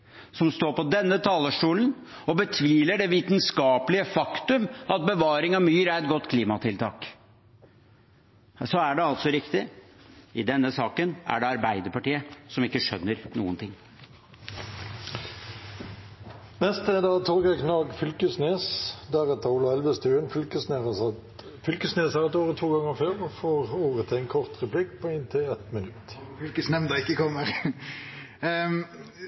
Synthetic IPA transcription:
sɔmst̪oːɾpɔd̪ɛnːət̪ʰɑːləʂʈuːlən | ɔbət̪ʰʋiːləɖɛʋiːt̪nskɑːpəlɪəfɑkt̪ʉmɑt̪̚bəʋɑːɾɪŋɑmyːɾæɾɛt̪̚ɡɔt̪ːkʰliːmɑt̪ʰɪlt̪ʰɑ̰ːk | sɔæɖɛɑlt̪sɔɾɪkt̪ɪ | ɪd̪ɛnːəsɑːkənæ̰ɖɛɑɾbæɪd̪əpɑʈiːəsɔmɪkːəʂœnːəɾnṵːənt̪ʰɪŋː | nɛst̪əd̪ɑːt̪ʰɔɾɡɛknɑːɡfʏlkəsneːsd̪æʁɛt̪ːəuːlɑɛlʋəst̪ʰʉːənfʏlkəsne | fʏlkəsneːshɑɾɛt̪oːʁət̪ʰːuːɡɑŋːəføːʁɔfoːʁoːʁət̪ʰæɪnkʰɔʁt̪ʁɛpʰlɪkːpʰɔɪnt̪ʰɪlɛt̪mɪnʉt̪fylkəsnɛmnd̪ɑɪkːəkʰɔmːəʁ

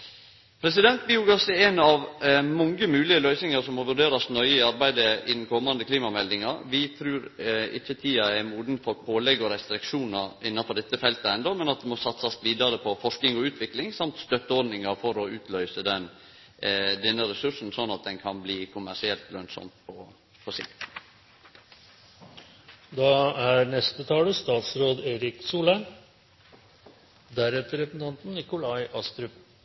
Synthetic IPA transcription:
pʰɾɛs̬ɪd̪ɛnt̪̚bɪuɡɑsɛɛnɑʋmɔŋɡəmʉːlɪəlœʏsnɪŋɑɾsɔmːɔʋʉɾɖeːɾɑsnœʏəɪɑɾbæɪd̪əɪd̪n̩kʰɔmːɑnd̪əkʰliːmɑmɛld̪ɪŋɑɾʋɪt̪ʰɾʉːɾɪ̰çːət̪ʰiːɑɛɾmuːd̪n̩fɔɾpʰoːlɛɡɔɾɛst̪ɾɪkʂuːnɑɾɪnːɑnfɔɾɖ̪ɛt̪ːəfɛlt̪əɛnd̪omɛnɑt̪̚d̪ɛmɔsɑt̪sɑsʋiːd̪ɑɾəpʰɔfɔʂknɪŋɔʉːt̪ʰʋɪklɪŋsɑmt̪st̪œt̪ːəɔɾɖnɪŋɑɾfɔɾɔʉːt̪ʰlœʏsəd̪ɛn | d̪ɛnːəɾɛsʉʂn̩sɔnːɑt̪̚d̪ɛnkʰɑnbliːkʰʊmæʂɪɛlt̪lœnsɔ̰mpʰɔ | fʰɔsɪ̰kt̪ | d̪ɑːæɾnɛst̪ət̪ʰɑːləst̪ɑːt̪sɾoːd̪eːɾɪksuːlə | d̪æɾɛt̪əɾɛpnt̪ɑnt̪n̩nɪkʊlɑɪʔɑst̪ɾʉp

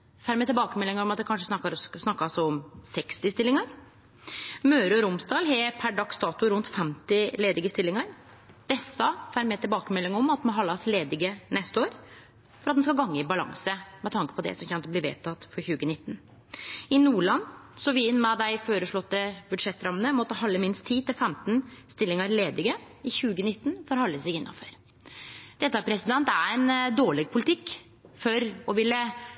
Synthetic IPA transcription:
fæːɾmɛt̪ɪlbɑːkəmɛlːɪŋəɾɔmɑt̪̚d̪ɛkʰɑnʂəsnɑkːɑɾsnɑkːɑsɔɔmsɛkst̪ɪst̪ɪlːɪŋəɾ | møːɾəɔɾʊmsd̪ɑːlɦɛpʰæɖɑkst̪ɑːt̪ʊɾʉnt̪fɛmt̪ɪleːd̪ɪɡəst̪ɪlːɪŋəɾ | d̪̥ɛsːɑfæːɾmɛt̪ʰɪlbɑːkəmɛlːɪŋəɾɔmɑt̪̚ːmɔɦɑlːɑsleːd̪ɪɡənɛst̪əoːɾ | fɔɾɑt̪̚ɛnskɑlɡɑŋːəɪbɑlɑ̰ŋsəmɛt̪ʰɑŋkə̥pʰɔd̪ɛ̰sɔmçɛnt̪əbliːʋḛːt̪ʰɑt̪fɔɾçʉːɡənɪt̪ːn | ɪnuːɭɑnsɔʋɪɪnːmɛd̪æɪføːɾəʂɭɔt̪ːəbʉd̪ʂɛt̪ːɾɑmənəmɔt̪ːəhɑlːəmɪnst̪ʰːiːt̪ɪlfɛmt̪nst̪ɪlːɪŋəɾleːd̪ɪɡə | ɪçʉːɡənɪt̪ːn̩fɔɾhɑlːəsɪɡɪnːɑ̰føɾ | d̪̥ɛt̪ːəpʰɾɛsɪd̪ɛnt̪æɛɪnd̪oːɭɪɡ̚pʰʊlɪt̪ʰɪkː | fɔɾɔʋɪlːə

